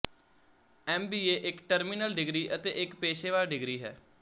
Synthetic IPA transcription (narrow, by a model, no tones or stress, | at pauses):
ɛːmbiːeːʔɪkʈəɾmɪnəlɖɪɡɾiːʔət̪ḛːʔɪkpeːʃeːʋaːlɖɪɡɾiːɦɛ̰ː